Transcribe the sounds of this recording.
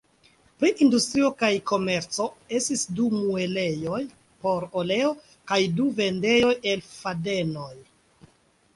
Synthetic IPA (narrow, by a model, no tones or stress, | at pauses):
pɾiʔindustɾio̞kajko̞me̞ɾt͡so̞e̞stisdumuele̞jo̞j | po̞ɾole̞o̞ | kajduve̞nde̞jo̞je̞lfade̞no̞j